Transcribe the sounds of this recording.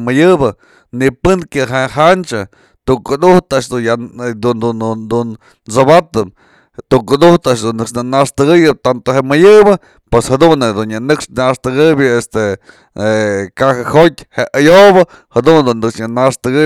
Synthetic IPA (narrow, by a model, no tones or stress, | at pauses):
mɨjɨbɨ | nipɨnkjaɦeɦant͡ʃa | t̪ukud̪uht̪aʔʂd̪ujad̪und̪und̪un | t͡sobat̪ɨp | t̪ukud̪uht̪aʔʂd̪unːɨkʂnɨnaʂt̪ɨɡɨjɨp̚t̪ant̪oɦeʔmɨjɨbɨ | pweshad̪und̪unjanɨkʂnaʂt̪ɨɡɨbʲjɨest̪e | ekahɨhot̪ʲheʔajoβɨ | had̪und̪unːɨkʂjanaʂt̪ɨɡɨ